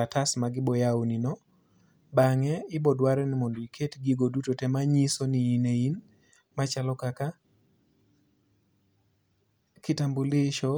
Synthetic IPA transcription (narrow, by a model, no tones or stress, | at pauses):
atasmaɡɪbɔjawninɔ | baŋɛɪbɔdwaɾɛnɪmondoikʰetɡiɡodutotɛmaɲisoniinein | mat͡ʃalɔkaka | kɪtambulɪʃɔ